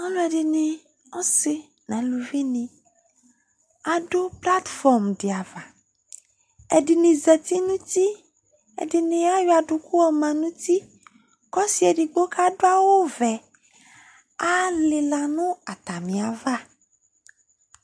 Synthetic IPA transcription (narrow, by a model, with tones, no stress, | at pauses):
ã˦lõ˦ɛ˨ɖi˨nẽ˨ | ɔ˦se˦ | nã˨˦lu˨vi˦nĩ˨ | a˨ɖo˦pla˦t̪fɔ˨ɾmɖi˨a˨va˨ | e˨ɖi˨nĩ˨zɛ˨t̪i˦nũ˦t̪i˦ | ḛ˨di˨nĩ˨a˦jɔ˨a˨ɖu˨ku˦ɔ˨mã˨nũ˦t̪i˦ | kɔ˦si˨e˨ɖi˨ɡ͡bo˦kʰa˦ɖo˦a˦wo˦vɛ˨ | a˦le˨la˨nũ˦a˨t̪a˨mĩ˨a˨va˦